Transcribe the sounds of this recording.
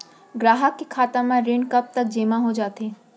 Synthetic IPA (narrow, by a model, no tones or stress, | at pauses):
ɡɾaːɦəkːekʰaːt̪amãɾeːɳɖkɐp̚t̪ɐk̚d͡ʒeːmãɦod͡ʒaːt̪eː